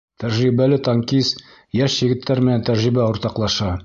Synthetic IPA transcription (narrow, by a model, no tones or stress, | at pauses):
t̪æɾʒibælɘt̪ɑŋkis | jæʃjɘ̆ɡɘ̆t̪ʰːæɾmɘ̆nænt̪æɾʒibæŏɾt̪ɑqlˠɑʃɑ